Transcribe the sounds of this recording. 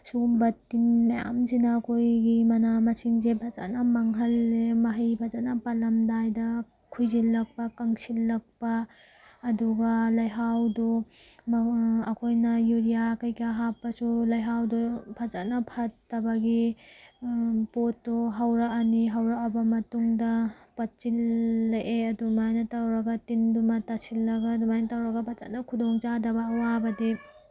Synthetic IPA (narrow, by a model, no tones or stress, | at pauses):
suɡumbɐtːinmaja̰msinaːkʰojɡimɐnamɐsiŋzebʰʱaza̰nɐmɐŋɦɐlːemɐɦɐjpʰazanɐpalɐmdajdɐ | kʰujzilːɐk̚pɐkaŋsilːɐk̚paː | duɡɐlɐjɦawdɔmɐkʰojnɐjuɾijakɐjkaɦapːɐsulɐjɦawdupʰɐt͡ʃat̚nɐpʰɐtːɐbɐɡi | potːuɦɐwɾɐɐniɦawɾaɐbɐmɐtuŋdɐpɐt̚t͡ʃilːɐʔeɐdumajnɐtawɾɐɡɐtindumɐtasilːɐɡɐdumajnɐtawɾɐɡɐpʰɐt͡ʃa̰ʔnɐkʰudoŋd͡ʒadɐbɐːwabɐdi